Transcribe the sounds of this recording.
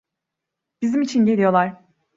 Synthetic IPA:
b̥izimit͡ʃʰinɟe̞lʲijo̞lˠaɾ̥

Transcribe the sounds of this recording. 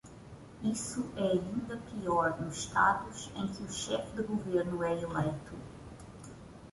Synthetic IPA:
isuʔɛɐĩnd̪ɐpiɔɾnusʃt̪ad̪uzẽj̃kɪuʃɛfd̪ɪɡuveɾnʊɛelejt̪u

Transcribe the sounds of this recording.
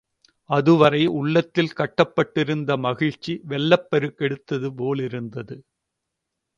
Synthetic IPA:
ɐðɯʋɐrɐɪʊɭːɐt̪ːɪlkɐʈːɐpːɐʈːɪɾɯnd̪ɐmɐɣɪɻt͡ʃːiʋɛlːɐpːɐɾɯkːɛɽɯt̪ːɐðɯpoːlɪɾɯnd̪ɐðɯ

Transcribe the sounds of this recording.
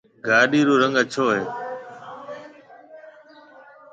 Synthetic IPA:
ɡaːɗiːɾuːɾəŋɡət͡ʃʰoːɦeː

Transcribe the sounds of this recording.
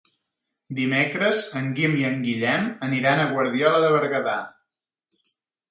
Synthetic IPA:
d̪imekɾəzəŋɡimiəŋɡiʎɛməniɾanəɣwəɾðjɔləðəβəɾɣəða̰

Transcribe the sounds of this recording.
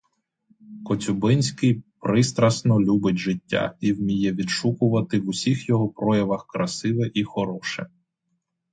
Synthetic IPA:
kɔt͡sʲʊbɪnʲsʲkɪjpɾɪst̪ɾɐsnɔlʲubɪtʲʒɪtʲːa̰iwmʲijɛʋʲid̪ʃukʊʋɐt̪ɪʋʊsʲixjɔɦɔpɾɔjɐʋɐxkɾɐsɪʋɛʔixɔɾɔʃɛ̰

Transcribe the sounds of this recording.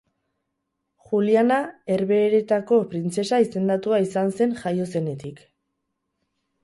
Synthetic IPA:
xulianae̞ɾβe̞ːɾe̞t̪ako̞pɾint͡se̞saise̞nd̪at̪uaisanse̞ŋʝajo̞se̞ne̞t̪ik

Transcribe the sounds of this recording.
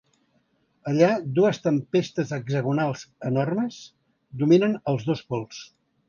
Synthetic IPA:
əʎad̪uəst̪əmpest̪əzəɡzəɣunalˠzənɔrməz | d̪uminənəlˠzðospɔlˠs

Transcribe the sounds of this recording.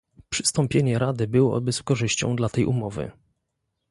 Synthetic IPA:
pʂɘ̥st̪ɔmpʲjeɲɛɾad̪ɘbɘwɔ̰bɘskɔʐɘɕt͡ɕɔ̃w̃d̪lat̪ɛjʔṵmɔvɘ̰

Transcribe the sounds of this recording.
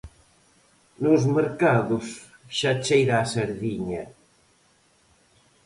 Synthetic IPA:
nuzmeɾkaðus | ʃat͡ʃejɾaːseɾðiɲa

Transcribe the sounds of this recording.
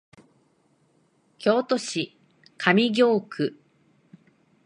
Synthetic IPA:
kʲo̞ːt̪o̞ɕi | kʰamʲiɡʲo̞ːkʰɯ̟

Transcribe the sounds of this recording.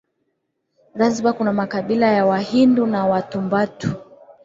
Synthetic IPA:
zazɓakunamakaɓilajawahindunawatumbatu̥

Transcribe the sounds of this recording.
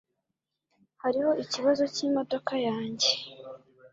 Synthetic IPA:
haɾiho̞iciβazo̞ciːmo̞do̞kajaːɲɟe̞

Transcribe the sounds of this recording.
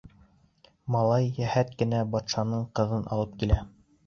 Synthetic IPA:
mɑlˠɑjːæhæt̪kɘ̆næbɑt̪ʃɑnɤɴqɤ̆ðɤnʔɑ̰lˠɤp̚kilæ

